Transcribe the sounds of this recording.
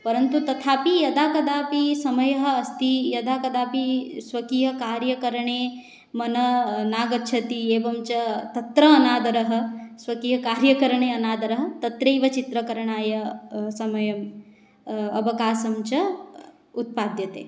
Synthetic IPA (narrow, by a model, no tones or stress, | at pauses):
pɐɾɐnt̪ut̪ɐt̪ʰaːpijɐd̪aːkɐd̪aːpisɐmɐjɐɦɐ̆ɐst̪ijɐd̪aːkɐd̪aːpisʋɐkiːɦɐkaːɾjɐkɐɾɐɳ̃eː | mɐnɐnaːɡɐtːʃʰɐt̪ieːʋɐmt͡ʃɐt̪ɐt̪ɾɐːnaːd̪ɐɾɐɦɐ̆sʋɐkiːɦɐkaːɾjɐkɐɾɐɳ̃eːɐnaːd̪ɐɾɐɦɐ̆t̪ɐt̪ɾeːʋɐt͡ʃit̪ɾɐkɐɾɐɳaːjɐsɐmɐjɐm | ɐʋɐkaːsɐmt͡ʃɐ | ut̪̚paːd̪jɐt̪ḛː